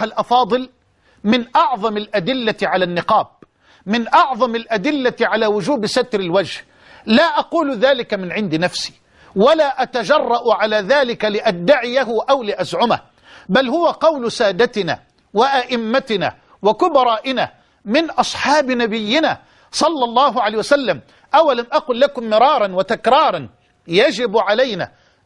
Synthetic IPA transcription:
alʔɑfɑːðˤɨl | mɪnʔɑʕðˤɑmalʔad̪ɪlːaʕalanːɪqɑːb̚ | mɪnʔɑʕðˤɑmalʔad̪ɪlːaʕalaːwʊd͡ʒuːbsat̪ɾɪlwad͡ʒh | laːʔɑquːlðaːlɪkamɪnʕɪnd̪nafsi̥ː | walaːʔat̪ad͡ʒɑrˤːɑʔʊʕalaːðaːlɪkalɪʔad̪ːaʕɪjaɦʊʔawlɪʔazʕʊma̰h | balhʊwaqɑwlsaːd̪at̪ɪna̰ː | wɪʔaʔɪmːat̪ɪna̰ː | wakʊbɑɾˤɑːʔɪna̰ | mɪnʔɑsˤħɑːbnabɪjːɪnaː | sˤɑlːɑlˤːɑːɦʊʕalajhjwasalːam | ʔawːalamʔaquːlːakʊmːɪɾˤɑːɾˤɑnwat̪akɾˤɑːɾˤɑn | jad͡ʒɪbʕalajna̰ː

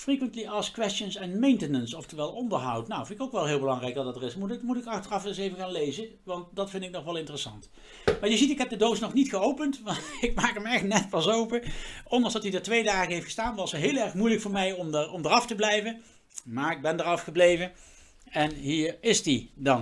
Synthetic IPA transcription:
frikʋəntliʔɑskʋɛstənsɛnmejntənənsɔftəʋɛlˠɔndəɹɦɑwtnawfɪndɪkowkʋɛlˠɦɪːlˠbəlɑŋrɛjk̚dɑtdɑtərɪsmumutɪkɑxtərɑfɛnsejvəɣaːnlejzə | ʋɑnt̚dɑtfɪndɪknɔχʋɛlˠɪntərəsɑnt | maːɹjəzitɪkɦɛp̚dədosnɔχnitχəowpəntʋɪkmaːkɦəmɛxtnɛt̚pɑsowpəʔɔndɑŋzdɑtidaːɹtʋejdaːɣəɦejftxə̥staːnʋɑsətɦɪːlˠɛɹxmujləkfʊːɹmɛjɔmdəɹɔmdərɑftəblɛjvə | maːɹɪɡ̚bɛndəɹɑfχəblejvə | ɛnɦiːɹɪsdidɑn

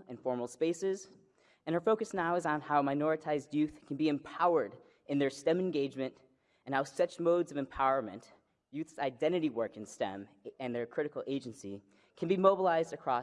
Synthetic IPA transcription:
ɨ̃nfɔɹml̩ˠspeɪsɪz | ɨ̃nə˞foʊkɨsnaʊɨzn̩haʊmaɪnɔɹɨtʰaɪzdjʉθkʰn̩biɨ̃mpʰaʊə˞ɾ | ɨ̃nðə˞stɛ̃mɨ̃nɡeɪd͡ʒmɨ̃nt | ɨ̃n̩haʊsʌt͡ʃmoʊdzʌvɨ̃mpʰaʊə˞mɨ̃nt | jʉθsaɪdɛ̃ɾ̃ɨɾiwɜ˞kɨ̃nstɛ̰̃m | ɨ̃nðə˞kʰɹ̥ɪɾɨkl̩ˠeɪd͡ʒɨ̃nsḭ | kʰɨ̃n̩bimoʊbəlaɪzdɨkʰɹ̥ɔ

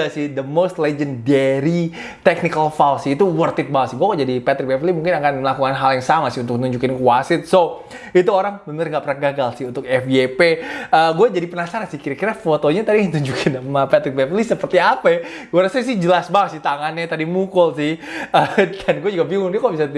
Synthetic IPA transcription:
asɪhd̪əmost̪lɛd͡ʒəndɛɾi | t̪ɛk̚nikəlfalsɪit̪uwərt̪ɪt̪̚bawasɪhɡuakad͡ʒadipat̪ɾɪk̚bɛflimuŋkɪnakanməlakukanɦaljaŋsamasɪhunt̪ʊkt̪uɲd͡ʒukɪnkwasɪt̪̚so | it̪uoɾaŋbənərŋɡaʔpəɾaɡaɡalsɪhunt̪ʊk̚ɛfiepeəɡuɛd͡ʒadipənasaɾansɪhkiɾakiɾafot̪oɲat̪adiŋt̪uɲd͡ʒukʰɪnmapat̪ɾik̚bɛflisəpərt̪iapa | ɡuaɾasas̬ɪhd͡ʒəlasbawasɪht̪aŋanɲat̪adimukʊlsɪhədanɡuɛd͡ʒuɡabiŋʊŋdiɛkabisa

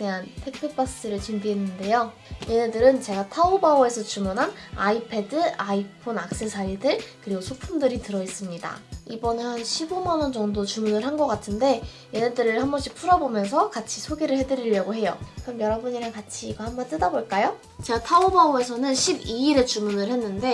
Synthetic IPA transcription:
eantʰek̚p͈ʰɯp͈as͈ɯɾɯɭt͡ɕindiɦenːɯnde̞jo | je̞nedɯɾɯnt͡ɕe̞ɡatʰaobaoe̞sʰʌt͡ɕumunɦana̰ipʰe̞dɯaipʰonak̚s͈esʰaidɯɭkɯɾiɡosʰopʰumdɯɾitɯɾʌis͈ɯmɲida̰ibʌnehanɕʰibomanʌnd͡ʑʌŋdot͡ɕumunɯɭɦanɡʌk͈atʰɯnde̞ | jenedɯɾɯɭhambʌɕʰipʰuɾʌbomjʌnsʰʌkat͡ɕʰisʰoɡeɾɯɭhe̞dɯɾiʎjʌɡoɦe̞jo̰kɯɾʌmjʌɾʌbuɲiɾaŋkat͡ɕʰiɡʌhambʌnt͈ɯdaboɭk͈ajo | t͡ɕe̞ɡatʰaobaoe̞sʰʌnɯnɕʰibiiɾe̞t͡ɕumunɯɭɦhe̞nːɯnde̞

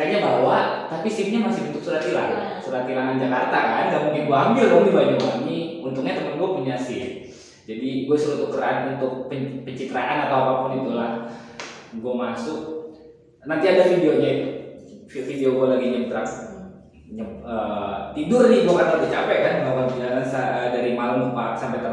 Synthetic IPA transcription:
kaɲabawaʔt̪apisɪmɲamasɪhbint̪ʊk̚suɾat̪ila̰ŋasuɾat̪ilaŋand͡ʒakart̪akanɡaʔmuŋkɪnɡuaɦambilɔŋdibaɲauamiunt̪ʊk̚ɲat̪əmənɡuapuɲasɪ | d͡ʒadiɡuasuɾut̪ukəɾanunt̪ʊk̚pəpəɲt͡ʃit̪əɾaʔanat̪awapapʊnit̪ulah | ɡuamasʊk̚ | nant̪iadafideoɲait̪u | fideoɡualaɡiɲabət̪əɾak | ɲaət̪idʊrnɪɡuakat̪əlad̪it͡ʃapɛʔkanuakanbinasaədaɾimaləmbaasampat̪ə

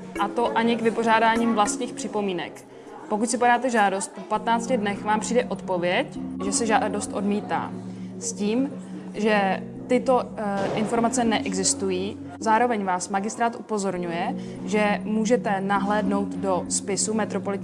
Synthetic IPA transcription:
ʔat̪o̞ʔaɲɪkvɪpo̞r̝aːdaːɲiːmvlast̪ɲiːxpr̥ɪpo̞miːnɛ̰k | pokucsɪpaɾaːt̪ɛʒaːdo̞st̪̚popat̪naːt͡scɪdnɛxvaːmpr̥iːdɛʔo̞t̪po̞vjɛcʒɛsɛʒado̞st̪ʔo̞dmiːt̪a̰ːsciːm | ʒɛ | t̪ɪt̪o̞ʔɪnfo̞ɾmat͡sɛnɛʔɛɡzɪst̪ujiː | zaːɾo̞vɛɲvaːsmaɡɪst̪ɾaːt̪ʔupo̞zo̞ɾɲujɛ | ʒɛmuːʒɛt̪ɛnaɦlɛːdno̞wt̪do̞spɪsumɛt̪ɾopolɪt̪

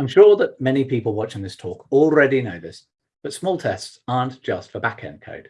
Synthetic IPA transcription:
ãɪ̃mʃɔːðəʔmɛnipiˑpəlˠwɒt͡ʃɪ̃ŋðɪstʰɔˑkɔlˠɹɛdinəʊðɪs | b̥ʌtsmɔːlˠtʰɛstsɑːˑnd̥ʒ̥ʌstfəbakʰɛ̰̃n̚kʰə̰ʊd̥

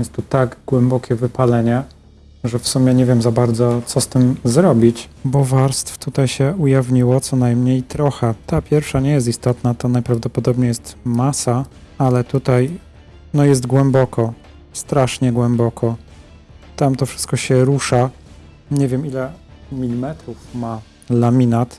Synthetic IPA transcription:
jɛst̪ːut̪aɡɡwɛmbɔkʲɛvɘpalɛɲɛ | ʐɛfsumʲjɛɲɛvʲjɛmzabaɾd̪zɔt̪sɔst̪ɘmzɾɔbʲit͡ɕbɔvaɾst̪ft̪ut̪ajɕɛujavɲiwɔt̪sɔnajmɲejt̪ɾɔxɛt̪apʲjɛɾfʂaɲɛjɛst̪ist̪ɔt̪nat̪anajpɾavd̪ɔpɔd̪ɔbɲejɛst̪masa | alɛt̪ut̪aj | nɔjɛs̬t̪ɡwɛmbɔkʰɔ | st̪ɾaʂɲɛɡwɛmbɔkʰɔ | t̪amt̪ɔfʂɘ̥st̪̚kɔɕɛɾuʂa | ɲɛvʲjɛmilɛmʲilʲimɛt̪ɾufma | lamʲinat̪

